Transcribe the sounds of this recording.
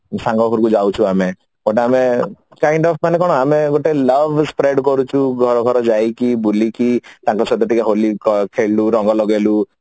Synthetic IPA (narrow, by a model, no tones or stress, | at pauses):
saŋɡɔɦuɾukud͡ʒawt͡ʃʰuame | oʈaːmekajɳɖɔpʰmanekɔɽ̃ɔameɡoʈeləbʱspɾeɖkɔɾut͡ʃʰuɡʱɔɾɔɡʱɔɾɔd͡ʒajkibulikit̪ãŋkɔsɔd̪ɔt̪ikeɦolikɔkʰeluɾɔŋɡɔlɔɡelu